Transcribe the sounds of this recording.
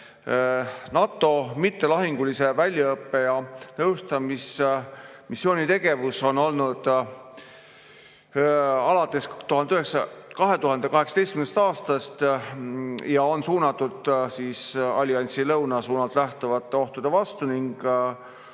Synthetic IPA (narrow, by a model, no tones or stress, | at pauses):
nɑt̪ːˑo̞mit̪ːe̞lɑɦiŋɡ̥ulise̞vælʲjɑɤpːe̞jɑnɤwst̪ɑmis | misːjo̞ːnʲit̪e̞ɡ̥e̞vuso̞no̞lnud̪̥ | ɑlɑt̪ːˑe̞st̪uɦɑnd̪eyhɦeksɑkɑɦe̞t̪uɦɑnd̪e̞kɑɦe̞ksɑ̥t̪est̪ymn̥st̪ɑːst̪ɑst̪ | jɑo̞nsuːnɑt̪ːˑud̪siːsɑlʲiɑnʲt̪silɤwnɑsuːnɑlt̪ˑlæht̪uvɑt̪ˑːe̞o̞ht̪ud̪̥e̞vɑst̪uniŋɡ̥